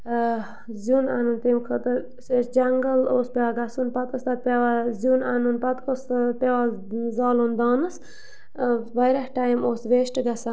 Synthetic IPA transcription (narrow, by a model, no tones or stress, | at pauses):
zuna̰nunt̪imkʰət̪ɨ | sesd͡ʒɐŋɡəloːspʲeʋaɡɐsunpɐt̪̚kəst̪ɐt̪̚pʲeʋazunanunpɐt̪kospeʋazaːlund̪ɑːnɨs | ʋajɾɐhʈaːjmoːsʋeːʃʈɨɡɐsa